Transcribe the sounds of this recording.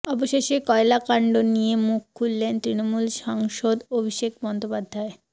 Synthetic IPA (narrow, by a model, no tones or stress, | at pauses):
ɔboʃeʃekɔelakaɳɖonijemuk̚kʰːulːent̪ɾinomulʃaŋʃod̪obʱiʃek̚bɔnd̪opad̪ʱːae